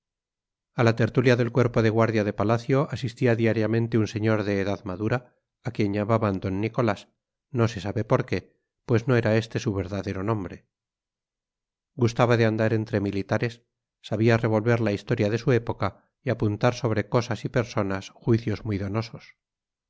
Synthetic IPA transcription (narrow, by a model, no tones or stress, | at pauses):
alat̪eɾt̪uljaðe̞lkwe̞ɾpo̞ðe̞ɣ̞waɾðjaðe̞palaθjo̞ʔasist̪iaðiaɾjamẽ̞nt̪eunse̞ɲo̞ɾðe̞ːðaðmaðuɾaː | kje̞ɲʎamaβand̪o̞nːiko̞las | no̞se̞saβe̞po̞ɾke̞ | pwe̞zno̞e̞ɾae̞st̪e̞suβ̞e̞ɾðaðe̞ɾo̞nõ̞mbɾe̞ | ɡust̪aβaðe̞and̪aɾe̞nt̪ɾe̞milit̪aɾe̞sː | aβiare̞β̞o̞lβe̞ɾlaist̪o̞ɾjaðe̞sue̞po̞ka | iapunt̪aɾso̞βɾe̞ko̞sasipe̞ɾso̞nasxwiθjo̞zmujðo̞no̞so̞s